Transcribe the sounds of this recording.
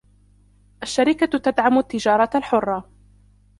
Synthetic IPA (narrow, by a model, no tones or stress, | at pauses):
ʔaʃːaɾɪkat̪ad̪ʕamʊt̪ːɪd͡ʒɑːɾˤɑalħʊrˤːɑ